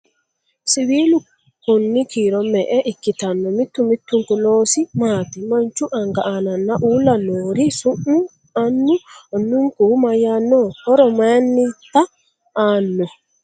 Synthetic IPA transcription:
siwilu | konːikiːɾɔmːɛʔɛʔikːitanːɔmit̪ːumit̪ːuŋkuloːsimaːt̪imaɲt͡ʃuʔaŋɡaʔananːaʔulanoːɾisumːu | anːuɔnːuŋkumajanːɔhɔɾɔmanːit̪a | ʔanːɔ

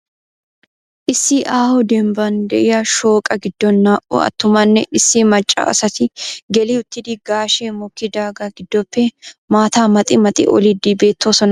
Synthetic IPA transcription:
ʔɪsːiʔaːhʊd̪ɛmbɐnd̪ɛʔɪjɐʃoːkʼɐɡɪd̪ːɔnːaːʔʊ̰ɐ̰t̪ːʊmɐnːɛʔɪsːiːmɐt͡ʃʼːa̰ːɐ̰sɐt̪ɪɡɛliʊt̪ːɪd̪iɡaːʃeːmɔkːid̪aːɡaɡɪd̪ːɔpːeːmaːt̪aːmɐt̪ʼɪmɐt̪ʼɪ̰ʔɔ̰lid̪iːbeːt̪ːoːsɔnɐ

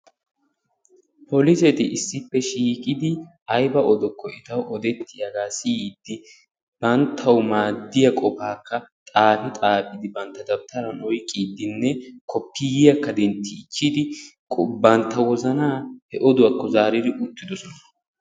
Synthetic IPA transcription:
pʰɔlɪsɛt̪ɪʔɪsːɪpːɛʃiːkʼɪd̪ɪ | ɐjbɐʔɔd̪ɔkːɔɪt̪ɐwʔɔd̪ɛt̪ːɪjɐɡaːsiːd̪ːɪ | b̥ɐnt̪ʰːɐwmaːd̪ːɪjɐkʼɔfaːkːɐt̪ʼaːnɪt̪ʼaːpʼɪd̪ɪbɐnt̪ːɐd̪ɐbt̪ʰɐɾɐnɔjkʼːiːd̪ːɪnːɛkʰɔpːɪjjɐkːɐd̪ɛnt̪ːɪt͡ʃːɪd̪ɪkʼbɐnt̪ːɐwɔzɐnaːhɛʔɔd̪ʊwɐkːɔzaːɾɪd̪ɪʔʊt̪ːɪd̪ɔsɔnɐ

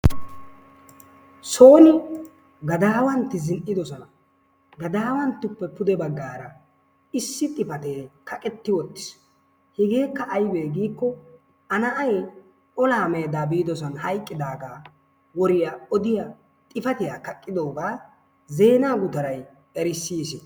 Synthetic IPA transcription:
so̞ːnɪ | ɡɐd̪aːwɐnt̪ːɪzɪnʔɪd̪ɔsɔnɐ | ɡɐd̪aːwɐnt̪ːʊpːɛpʊd̪ɛbɐɡːaːɾɐ | ɪsːɪt̪ʼɪfɐt̪eːkʰɐkʼɛt̪ːɪwɔt̪ːɪ̥s | hɪɡeːkːɐʔːjbe̞ːɡiːkːɔ | ɐnɐʔɐj | ɔlaːmeːd̪aːbiːd̪ɔsɔnhɐjkʼːɪd̪aːɡaː | wɔɾɪjaɔd̪ɪjɐ | t̪ʼɪfɐt̪ɪjaːkɐkʼːɪd̪o̞ːɡaː | ze̞ːnaːɡʊt̪ɐɾɐj | ɛɾɪsːiːsɛ

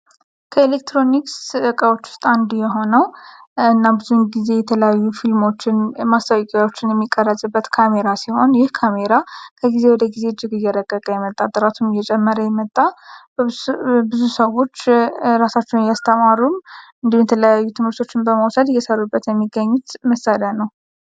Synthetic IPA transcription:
kʰəelek̚t̪ɾo̞niksɨʔɨkʼəwo̞t͡ʃːʊ̥st̪ʼand̪jɛɦo̞nəwɨnːabɨzunɡize̞jɛt̪ʰələjajːufilmo̞t͡ʃːɪnmast̪ʰəwkʼawo̞t͡ʃːɪnjɛmːikʼːərːəsʼɨbːət̪kʰame̞ɾasiho̞njɪhkʰame̞ɾakʰəɡize̞wɔd̪əɡized͡ʒːɪɡɨjːɛɾəɡʼːəkʼəjɛmət̪ʼːat̪ʼəɾat̪ʰumɨjːɛt͡ʃʼɛmːəɾəjɛmət̪ʼːa | bɨzusəwo̞t͡ʃːɾasat͡ʃːɛwnjast̪ʰəmaɾumɨnd̪ihumjɛt̪ʰələjajːut̪ʰɨmhɨɾt̪ʰo̞t͡ʃːɪnbəmawsəd̪jɛsəɾubːət̪jɛmːiɡːəɲːut̪məsaljanəw

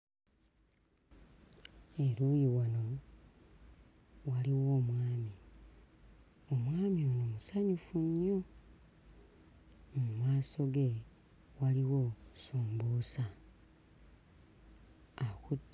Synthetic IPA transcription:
e̞ɾujiɣano̞ | waliwo̞ːmwaːmi | omwaːmionomusaɲufuɲːo | mumaːso̞ɡe̞ | waliwo̞suːmbusa | akutː

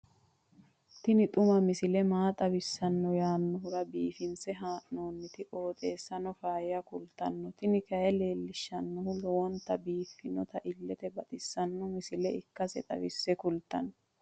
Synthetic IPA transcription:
t̪ɪnɪt̪ʼʊmɐmɪsɪlɛmaːt̪ʼɐbɪsːɐnːɔjaːnːɔɦʊɾɐbiːfɪnsɛɦaːʔnoːnːɪt̪ɪʔo̞ːt̪ʼeːsːɐnɔfaːjɪjɐkʊlt̪ɐnːɔt̪ɪnɪkɐɛle̞ːlːɪʃːɐnːɔhʊlɔwɔnt̪ːɐbiːfːɪnɔt̪ɐʔɪlːɛt̪ɛbɐt̪ʼɪsːɐnːɔmɪsɪlɛɪkːɐsɛt̪ʼɐ̰bɪsːɛkʊlt̪ɐ̰nːɔ

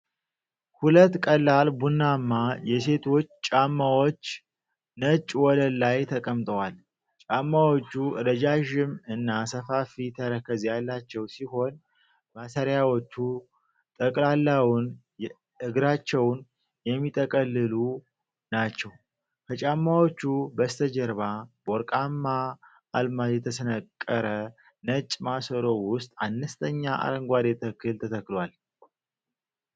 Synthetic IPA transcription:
hulət̪ːkʼəlːalbunːamːajɛse̞t̪ʰo̞t͡ʃːt͡ʃʼamːawot͡ʃː | nət͡ʃʼwɔləlːajt̪ʰəkʼəmt̪ʼəwal | t͡ʃʼamːawot͡ʃːuɾəd͡ʒaʒɪmɨnːasəfafit̪ʰəɾəkʰːəzjalːat͡ʃːɛwsiɦo̞n | masəɾjawot͡ʃːu | t̪ʼəkʼlalːawun | ɨɡɾat͡ʃːɛwn | jɛmːit̪ʼəkʼəlːɨlu | nat͡ʃːɛw | kʰət͡ʃʼamːawot͡ʃːubəst̪ʰəd͡ʒɛɾβaboɾkʼamːa | ʔːlmajɛt̪ʰəsənəkʼːəɾə | nət͡ʃʼmasəɾo̞wʊst̪ʼanːəst̪ʼʰəɲːaʔa̰ɾəŋɡʷad̪et̪ʰəkʰːɨlt̪ʰət̪ʰəkːlwal

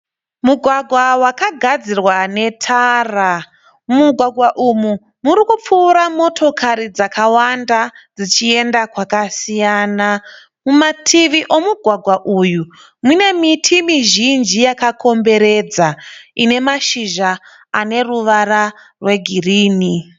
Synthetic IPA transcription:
muɡʱwaɡʱwawakaɡʱad͡zirwane̞tʰara | muɡʱwaɡʱwaʔumu | muɾikup͡fuːɾamo̞tʰo̞kʰaɾid͡zakawandad͡zit͡ʃie̞ndakwakasijaːna | mumatʰiʋiʔo̞muɡʱwaɡʱwaʔuju | mune̞mitʰimiʒind͡ʒijakakʰo̞mbe̞ɾe̞d͡zaine̞maʃiʒa | ane̞ruʋaɾa | rwe̞ɡʱiriːni

